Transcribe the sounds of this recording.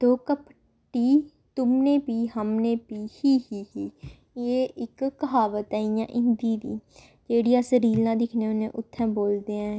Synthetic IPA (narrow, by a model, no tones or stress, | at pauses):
d̪oːkəp | ʈiː | t̪ʊmnẽːpiːɦəmnẽːpiːhiːhiːɦiː | eːʔɪkːəɦaːʋət̪ɛːijã̰ːʔɪ̃nd̪iːd̪ḭː | d͡ʒeːɽiːãsəɾiːlãːd̪ɪkʰneʊnẽːʔʊt̪ʰːɛ̃ːboːld̪eːãː